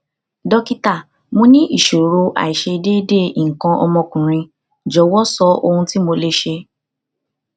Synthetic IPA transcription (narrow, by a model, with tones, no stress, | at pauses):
dɔ˦ki˦ta˦˨ | mõ˧nĩ˦ʔi˦˨ʃo˨ɾɾo˧ʔa̰˨i˨ʃe˧i˧de˦de˦˨i˨ŋ̩˨kã˧ʔɔ̰˧mɔ̃˧kũ˨ɾ̃ĩ˧ | d͡ʒɔ˨˦wɔ˦sɔ˦o˧hũ˧ti˦mo˧le˦ʃe˧